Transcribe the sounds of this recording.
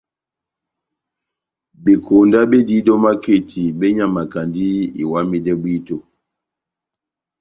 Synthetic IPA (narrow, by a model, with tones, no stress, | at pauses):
be˨kʰo˨nda˦be˦di˦dɔ˦ma˦ke˦˨tʰi˨be˦ɲa˦ma˨ka˨ndi˦ḭ˨wa˦mi˦dɛ˦bwi˦to˨